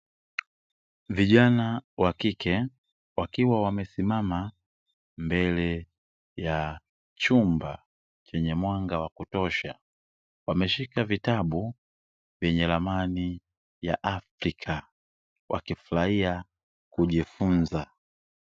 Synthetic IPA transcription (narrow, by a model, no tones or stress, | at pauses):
viʄanawakikɛ | wakiwawamɛsimama | mbɛlɛ | ja | t͡ʃumba | t͡ʃɛɲɛmwaŋɡawakutɔʃa | wamɛʃikavitaɓu | vjɛɲɛlamani | ja̰ʔafɾikʰa | wʔa̰kifulaia | kuʄifunza